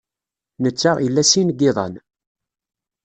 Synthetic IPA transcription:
nət͡sːaʁilːæsinɡːɪðˤɑ̰n

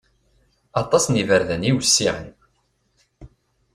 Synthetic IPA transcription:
ɑt̪ˤːɑsnivəɾðəniwəsːiʕə̰n

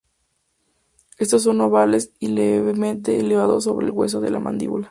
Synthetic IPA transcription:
e̞st̪os̬ːo̞nːoβale̞sileβemẽnt̪̬e̞ːleβ̞aðosːo̞βɾe̞ːlɣwes̬o̞ðe̞̰lʔa̰mã̰nd̪ḭβula

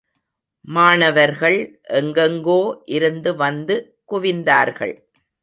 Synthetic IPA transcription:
maːɳɐʋɐɾɣɐɭʔɛŋɡɐŋɡoːʔɪɾɯnd̪ɯʋɐnd̪ɯ | kʊʋɪnd̪aːɾɣɐ̰ɭ

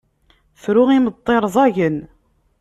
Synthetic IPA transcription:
fɾʊʁimət̪ˤːeɾˤðˤɑʝən

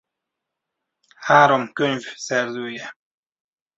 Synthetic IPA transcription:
haːɾo̞mkøɲvsɛrzøːjɛ

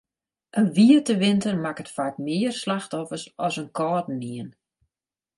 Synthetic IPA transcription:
ʔənʋiətəʋɪntərmakətfak̚mɪərslaxtɔfərsɔsənkʰɔːtn̩niən

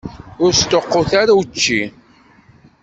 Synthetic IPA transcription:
ʊɾst̪oqːoθaɾawt͡ʃːi

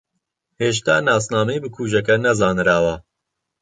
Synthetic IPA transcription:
heːʃ̬t̪aːnaːsnaːmejbɨkʰuːʒɐkɐnɐzɑːnɾaːwɐ

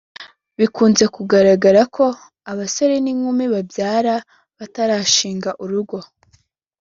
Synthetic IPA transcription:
βikuːnze̞kuɡaɾaɡaɾakʰo̞ | aβaso̞ɾe̞niŋumiβabjaːɾa | βataɾaːʃiːŋɡaʔuɾuɡo̞

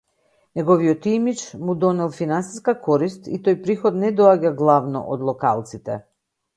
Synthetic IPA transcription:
nɛɡɔviɔt̪imit͡ʃmud̪ɔnɛlˠfinansi̥skakɔɾist̪it̪ɔjpɾixɔd̪nɛd̪ɔaɟaɡlˠavnɔ̰ʔɔd̪lˠɔka̰lˠt̪sit̪ɛ

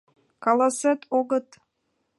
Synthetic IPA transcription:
kɑlˠɑset̪oɡɤ̆t̪

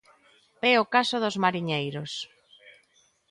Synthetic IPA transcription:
ɛʊkasʊðʊzmaɾiɲejɾʊs

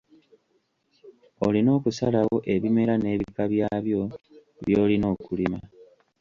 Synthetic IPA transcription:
o̰lino̞ːkusalawo̞ʔe̞βime̞ɾane̞ːβikaβjaːβjo̞ | βjo̞ːlino̞ːkulima

